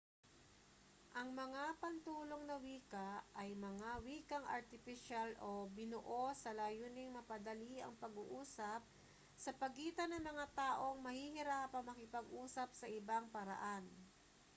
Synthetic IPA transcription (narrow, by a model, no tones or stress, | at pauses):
ʔɐŋmɐŋapɐnt̪uːloŋnɐwiːkɐʔɐjmɐŋawiːkɐŋʔɐ̰ɾt̪ɪfɪʃalʔobɪnʊʔosɐlaːjuːnɪŋmɐpɐd̪ɐliɐ̰ŋpɐɡuʔuːsɐp̚ | sɐpɐɡiːt̪ɐnɐŋmɐŋat̪aːʔo̞ŋmɐhihɪɾapɐmɐkɪpɐɡʔuːsɐp̚sɐʔɪbaŋpɐɾɐ̰ʔan